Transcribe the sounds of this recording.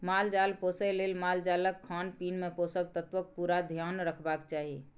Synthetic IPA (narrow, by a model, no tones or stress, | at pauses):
mald͡ʒalposəjlelmald͡ʒaləkkʰːanpinmeposək̚t̪ət̪ʋək̚puɾad̪ʱjanɾəkʰbakt͡ʃaɦi